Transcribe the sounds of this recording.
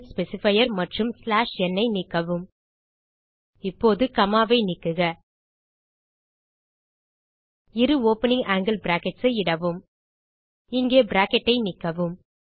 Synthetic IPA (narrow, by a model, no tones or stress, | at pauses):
spɛsɪfɐjɐɾmɐʈrɯmslaːʂɛnːɐɪnɪkːɐʋɯm | ɪpːoːðɯkɐmaːʋɐɪnɪkːɯɣɐ | ɪɾɯoːpɛnɪŋaːŋɡɪlbɪɾaːkɛʈsɐɪɪɽɐʋɯm | ɪŋɡeːbɪɾaːkɛʈːɐɪnɪkːɐʋɯm